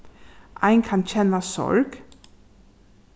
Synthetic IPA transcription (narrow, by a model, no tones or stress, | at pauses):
ʔæɪŋkʰɑnc͡çɛnasɔ̰ɹɡ̥